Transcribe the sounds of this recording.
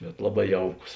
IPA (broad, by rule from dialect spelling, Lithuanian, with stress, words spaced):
bʲɛt ˈlˠɑːˌbɑː ˈjɛʊˌkʊs